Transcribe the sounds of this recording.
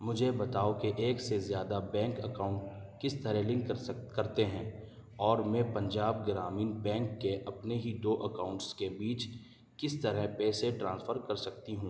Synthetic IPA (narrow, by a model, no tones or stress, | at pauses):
mʊd͡ʒʱebɐt̪aːokeʔeːksezjaːd̪abɛ̃ːŋkəkaːʊ̃ɳʈkɪst̪ɐɾɛlɪ̃ŋkkɐɾt̪eɦɛ̃ː | ɔːɾmɛ̃pɐ̃ɲd͡ʒaːb̚ɡɾaːmiːnbɛ̃ːŋkːeʔɐpneɦid̪oːʔɐkaːʊ̃ɳʈskebiːt͡ʃ | kɪst̪əɾɛɦpɛːseʈɾãːnsfʰəɾkɐɾsɐk̚t̪iɦũː